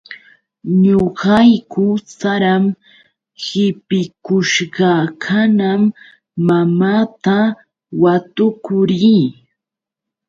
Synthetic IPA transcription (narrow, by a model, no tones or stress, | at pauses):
ɲoɢɑjkʊt͡saɾam | hɪpɪkʊʃɢɑkʰanamː | amaːt̪a | wat̪ʊkʊɾiː